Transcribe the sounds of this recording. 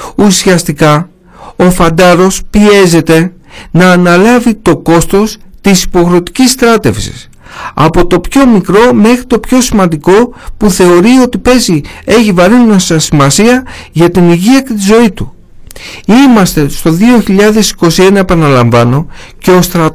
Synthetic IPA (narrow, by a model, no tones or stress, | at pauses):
usiɐst̪ikɐ | o̞fɐnd̪ɐɾo̞spie̞ze̞t̪e̞ | nɐːnɐlɐvit̪o̞ko̞st̪o̞st̪isi̥po̞xɾo̞t̪i̥cisst̪ɾɐt̪e̞fsḭs | ɐ̰po̞t̪o̞pço̞mikɾo̞me̞xɾit̪o̞pço̞simɐnd̪iko̞puθe̞o̞ɾio̞t̪ipe̞zie̞çivɐɾinmɐsɐsimɐsiɐʝɐt̪iniʝiɐcet̪izo̞it̪u | imɐst̪e̞st̪o̞ðio̞çiʎɐðe̞si̥ko̞sie̞nɐepɐnɐlɐɱvɐno̞ | ce̞ost̪ɾɐ